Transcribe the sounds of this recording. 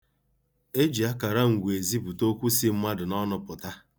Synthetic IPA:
e˦d͡ʒi˨a˦ka˨ɾa˦ŋ̩˨ɡʷe˨zi˦bu˨to˦kʷu˦si˦m̩˦ma˦dʊ˨nɔ˦nʊ˨pʊ˨ta˦

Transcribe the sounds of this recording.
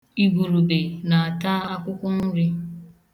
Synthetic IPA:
i˦ɡu˨ɾu˨be˨na˨a˨ta˦a˦kʷʊ˦kʷʊ˦n̩˦ɾɪ˦

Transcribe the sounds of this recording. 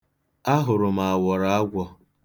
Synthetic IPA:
a˦ɦʊ˨ɾʊ˨ma˨a˨wɔ˨ɾa˦a˦ɡʷɔ˦

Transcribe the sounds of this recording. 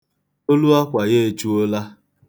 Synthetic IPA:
o˦lu˦a˦kʷa˨ɣe˦˨t͡ʃu˦o˦la˦

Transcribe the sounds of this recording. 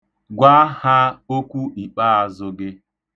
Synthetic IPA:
ɡʷa˦ha˦o˦kʷu˦i˨k͡pa˦a˦zʊ˦ɡɪ˦

